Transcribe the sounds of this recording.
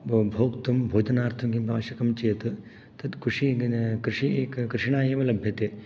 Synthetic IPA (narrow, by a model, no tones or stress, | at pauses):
bʱoːkt̪umbʱoːd͡ʒɐnaːɾt̪ʰɐmkimpaːʋɐʃɐkɐmt͡ʃijɐt̪ɨ | t̪ɐd̪kʰuʂikɾɨʂikkɾɨʂɳaːjeːmʋɐlɐbʱjɐt̪eː